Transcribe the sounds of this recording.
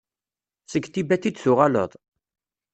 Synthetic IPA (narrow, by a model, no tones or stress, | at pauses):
səɡt̪ibæθid̪θuʁɑlə̰ðˤ